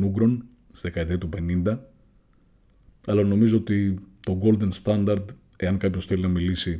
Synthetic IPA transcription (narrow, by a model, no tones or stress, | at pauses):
nuɡɾo̞n | sizðekɐet̪eɐt̪upe̞nind̪ɐ | ɐlɐno̞mizo̞ot̪it̪o̞ɡo̞ld̪e̞nst̪ɐnd̪ɐɾd̪ | e̞ɐŋkɐpço̞sθelinɐmilisi